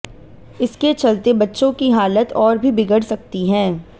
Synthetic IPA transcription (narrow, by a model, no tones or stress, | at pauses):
ɪsket͡ʃɐlt̪ebɐtːʃõkiɦaːlət̪ɔːɾbʱibɪɡəɽsɐk̚t̪iɦɛ̃ː